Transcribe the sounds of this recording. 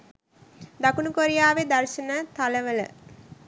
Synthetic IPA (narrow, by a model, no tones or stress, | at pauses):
d̪ɐkunukoɾijaːʋed̪ɐrʃɐnət̪aləʋələ̰